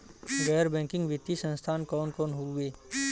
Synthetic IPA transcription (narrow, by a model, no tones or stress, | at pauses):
ɡɛːəɾbɛ̃ːŋkɪ̃ŋɡʋɪt̪ːisə̃nst̪ʰaːnkɔːnkɔːnɦueː